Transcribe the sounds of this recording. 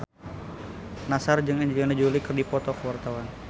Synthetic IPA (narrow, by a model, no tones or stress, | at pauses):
nasard͡ʒɨŋəɲd͡ʒinəd͡ʒulikɨrdipɔt̪ɔkəwart̪awan